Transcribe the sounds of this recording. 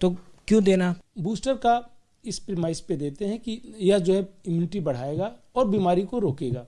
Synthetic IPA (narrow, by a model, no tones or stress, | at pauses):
t̪oːkjõd̪eːnabuːsʈəɾka | ɪspɾɪmaːɪsped̪eːt̪eɦɛ̃kijɐɦd͡ʒoːɦɛɪmjuːnɪʈibɐɽ̤aːeːɡaɔːɾbiːmaːɾikoɾoːkeːɡaː